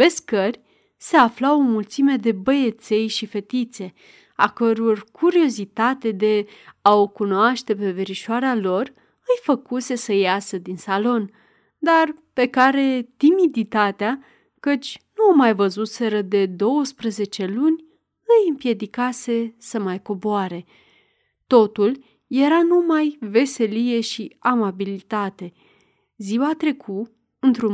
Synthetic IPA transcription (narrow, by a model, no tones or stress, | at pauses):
ve̞skərʲ | se̞aflawomult̪sime̞d̪e̞bəje̞t̪se̞jʃife̞t̪it̪se̞ | a̰kəɾorkʰuɾio̞zit̪at̪e̞d̪e̞aokunoaʃt̪e̞pe̞veɾiʃoaɾealo̞r | ɨjfəkuse̞səjasəd̪insalo̞n | d̪arpe̞kaɾe̞t̪imid̪it̪at̪ea | kət͡ʃʲnumajvəzut̪se̞ɾəd̪e̞d̪o̞wəspɾəze̞t͡ʃe̞lunʲ | ɨjɨmpje̞d̪ikase̞səmajko̞boaɾe̞ | t̪o̞t̪ul | je̞ɾanumajve̞se̞lije̞ʃiamabilit̪at̪e̞ | ziwat̪ɾe̞kʰu | ɨnt̪ɾu